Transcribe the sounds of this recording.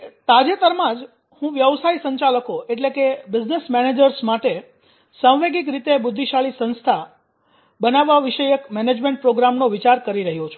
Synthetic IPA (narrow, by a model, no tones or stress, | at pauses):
t̪ad͡ʒet̪əɾmãd͡ʒ | hũʋjəʋsaisəɲt͡ʃaləkoeʈlekebɪd͡ʒnesmɛned͡ʒəɾsmaʈe | səʋʋeɡik̬ɾit̪ebʊd̪ʱːiʃaɭisə̃nst̪ʰa | bənaʋːaʋiʃəjəkmɛned͡ʒmẽɳʈ̚pɾoɡɾamnoʋit͡ʃaɾkəɾiɾəɦjot͡ʃʰu̥